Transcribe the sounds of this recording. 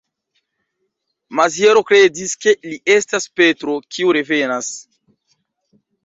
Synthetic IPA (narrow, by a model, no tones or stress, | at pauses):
mazjeɾo̞kɾe̞diske̞liʔestaspetɾokʰiuɾe̞venas